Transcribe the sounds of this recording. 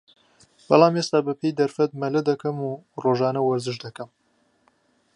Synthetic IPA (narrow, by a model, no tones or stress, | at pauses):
b̥ɑ̰lˠaːmeːst̪aːbɐpʰejd̪ɐɾfɐt̪̚mɐlɐd̪ɐkɐmuroːʒaːnɐwɐɾzɨʃd̪ɐkɐm